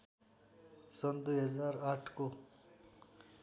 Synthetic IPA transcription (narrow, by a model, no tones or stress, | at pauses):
sɐnd̪uɦɐzaːɾaːʈʰko